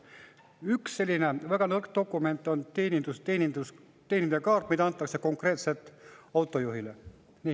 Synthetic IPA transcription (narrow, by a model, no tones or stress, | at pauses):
yksːe̞lʲːine̞væɡ̥ɑnɤrkt̪o̞kːˑume̞nt̪ːˑo̞nt̪enʲid̪̥ust̪eːnʲid̪us | t̪eːnʲind̪ekɑːrt̪mid̪ɑɑnt̪ˑːɑkse̞ko̞ŋkre̞ːt̪se̞t̪ˑːɑwt̪ːˑo̞juɦile | niː